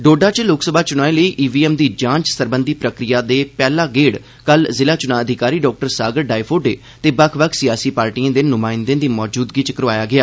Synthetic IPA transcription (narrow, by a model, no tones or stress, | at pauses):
ɖoːɖaːt͡ʃlʊksəbʱaːt͡ʃʊnaːĩːləiːʔiːʋiːɛːmd̪iːd͡ʒãːɲt͡ʃsəɾbənd̪iːpɾəkɾɪjaːd̪eːpɛːlaːɡeːɽ | kəlzɪlaːt͡ʃʊnãːəd̪ʱɪkaːɾiːɖɔːk̚ʈəɾsaːɡəɾɖaːipʰoːɖeː | t̪eːbəkʰʋəkʰsɪjaːsiːpaːɾʈiːãːd̪eːnʊmaːɪnd̪ẽːd̪iːmɔːd͡ʒuːd̪ɡiːt͡ʃəkəɾʋaːjaːɡɪaː